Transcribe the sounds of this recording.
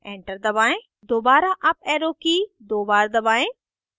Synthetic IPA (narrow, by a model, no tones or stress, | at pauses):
ẽːɳʈəɾd̪ɐβaːẽ | d̪oːbaːɾaʔɐp̚ɛːɾoːkid̪oːbaːɾd̪ɐbaːẽ